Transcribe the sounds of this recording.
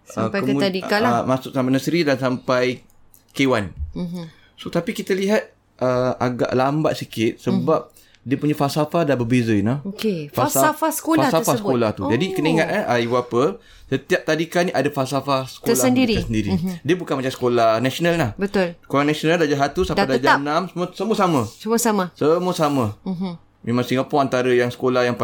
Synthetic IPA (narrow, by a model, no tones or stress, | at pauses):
səpəut̪adialamasʊksampanəsɾidansampaj | kewan | sot̪apikit̪əliɦat̪̚ | ʔəaɡa̰ʔlamba̰t̪̚sikɪt̪̚səbap̚ | diəpuɲafasafadanbəbezəinaokefaasafasə̥kolfaasafasəkolaht̪ud͡ʒadikəniŋat̪̚aʔaibuapə | sət̪iap̚t̪adikanĩʔadafasafahsə̥kolasəndiɾiasəndiɾidiəbukanmat͡ʃamsə̥kolahnasonalnahbət̪ʊlsə̥kolahnasonaldad͡ʒaɦat̪usadadad͡ʒanãmsəmuəsəmuəsamə̃səmuəsamasəmuəsamə̃ | memãŋsiŋapʊŋant̪aɾəjaŋsə̥kolahjaŋp